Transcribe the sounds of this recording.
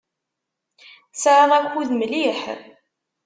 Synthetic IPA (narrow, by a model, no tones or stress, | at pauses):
sʕaʁækʷːuðmliħ